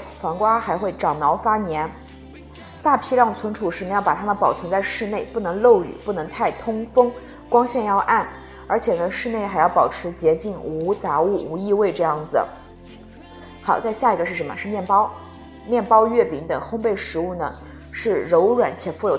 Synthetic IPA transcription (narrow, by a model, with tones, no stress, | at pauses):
fɑ˧˥ŋkwa˥xa˧˥ɪxwe˥˩ɪʈ͡ʂɑ˨˩ʊmɑ˧˥ʊfa˥njɛ˧˥n | t̪a˥˩pʰi˥ljɑ˥˩ŋt͡sʰwə˧˥nʈ͡ʂʰu˨˩ʂɻ̩˧˥n˧˥jpa˨˩t̪ʰa˥mə˨npɑ˨˩ʊt͡sʰə˧˥ŋt͡sa˥˧ɪʂɻ̩˥˧ne˥˧ɪpu˥˩nɤ˧˥ŋlo˥˩ʊy̰˨˩pu˥˩nɤ˧˥ŋt̪ʰa˥˩ɪt̪ʰʊ˥ŋfɤ˥ŋ | kwɑ˥ŋɕjɛ˥˧njɑ˥˧ʊʔa˥˩n | ə˞˧˥t͡ɕʰjɛ˨˩nə˦ʂɻ̩˥˧ne˥˩ɪxa˧˥ɪjɑ˥˩ʊpɑ˨˩ʊʈ͡ʂʰɻ̩˧˥t͡ɕjɛ˧˥t͡ɕi˥˩nu˧˥t͡sa˧˥u˥˩u˧˥i˥˧we˥˧ɪʈ͡ʂɤ˥˧jɑ˥˩ŋd͡zɹ̩˩ | xɑ˨˩ʊt͡sa˥˧ɪɕja˥˩i˧˥ɡə˧ʂɻ̩˥˩ʂə˧˥nmə̰˧ʂɻ̩˥˧mjɛ˥˩npɑ˥ʊ | mjɛ˥˩npɑ˥ʊɥɛ˥˩pi˧˥ŋt̪ɤ˨˩ŋxʊ˥ŋpe˥˩ɪʂɻ̩˧˥u˥˩nə̰˩ | ʂɻ̩˥˩ɻo˧˥ʊɥɛ˨˩˦nt͡ɕʰjɛ˨˩fu˥˩jo˨˩